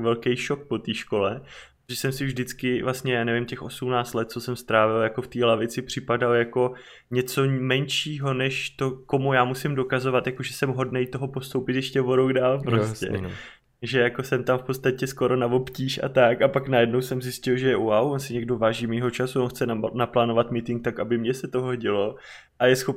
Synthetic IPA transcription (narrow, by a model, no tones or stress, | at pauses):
vɛlkɛjʃo̞k̚po̞t̪iːʃko̞lɛoʒɛsɛmsɪvʒdɪt͡skɪvlast̪ɲɛjaːnɛvɪmcɛxʔo̞sumnaːt͡st̪lɛt̪̚t͡sosɛmst̪ɾaːvɪljako̞ft̪iːlavɪt͡sɪpr̝̥ɪpadaljako̞ | ɲɛt͡so̞mɛnʃiːɦo̞nɛʃt̪o̞ko̞mujaːmusɪmdo̞kazo̞vat̪jakoʒɛsɛmɦo̞dnejt̪o̞ɦo̞po̞st̪owpɪt̪jɛʃcɛvoɾoɡdaːlpɾoscɛ̰ | ʒɛjako̞sɛmt̪amfpot͡sst̪acɛsko̞ɾo̞navo̞pciːʃʔa̰t̪akapaknajɛdno̞wsɛmzɪscɪlʒɛjɛʔuawonsɪɲɛɡdo̞vaːʒiːmiːɦo̞t͡ʃasuonxt͡sɛnaplaːno̞vat̪mit̪ɪŋk̚t̪akabɪmɲɛsɛt̪o̞ɦoɟɪlo̞ | ʔajɛsxop